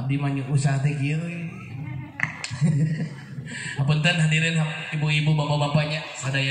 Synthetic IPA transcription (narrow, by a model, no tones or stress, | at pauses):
ap̚dimaɲuʔusaɦat̪ɛki | apənt̪anɦadiɾɪnɦaibuibubapabapaɲa | sadaja